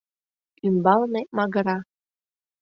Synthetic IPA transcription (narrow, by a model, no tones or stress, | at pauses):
ymbɑlnemɑɣɤ̆ɾɑ